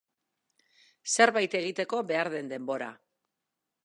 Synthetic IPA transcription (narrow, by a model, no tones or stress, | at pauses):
se̞ɾβajt̪e̞ɣ̞it̪e̞ko̞be̞aɾðe̞nd̪e̞mbo̞ɾa̰